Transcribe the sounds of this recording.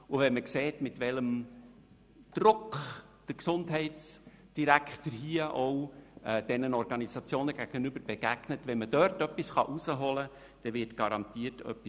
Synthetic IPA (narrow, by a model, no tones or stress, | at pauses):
ʊvɛnməkseːtmɪtvɛləm | d̥ɾʊkχ | d̥əɾksʊndɦɛɪts | d̥iɾæktəɾɦiəʔɔwɛd̥ɛnənɔɾɡ̥ɑnisɑt͡sjoːnəɡ̥æɡ̥ənʏbəɾb̥eɡ̥æɡ̥nətvɛnməd̥œrtœpːisχɑʔusəɦɔlə | d̥ɛvɪɾtɡ̥ɑɾɑntiːərtœ̰pːi